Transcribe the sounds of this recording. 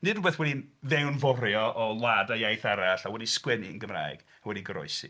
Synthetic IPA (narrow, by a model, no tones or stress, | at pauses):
nɨdubeːθwɛdinðɛwnvɔɾjɔʔɔlˠadajajθaɾaɬawɛdiskwɛniənɡəmra̰ːɨɡ̥ | awɛdiɡəɾɔ̰ɨsḭ